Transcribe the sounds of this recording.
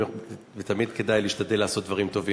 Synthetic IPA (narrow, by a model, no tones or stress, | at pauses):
vet̪amid̪ke̞d̪ajliːʃt̪ad̪e̞lːaːso̞t̚d̪vɐʁimt̪o̞vi